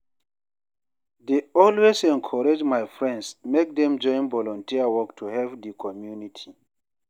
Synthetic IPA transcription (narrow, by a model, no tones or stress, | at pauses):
deɔlwesɛ̃nkʰɔɹed͡ʒmajfɹɛ̃ndsmek̚dɛ̃md͡ʒɔ̃ɪ̃nvɔlɔ̃ntiawɔktʰuhɛvdikʰɔmjunitʰi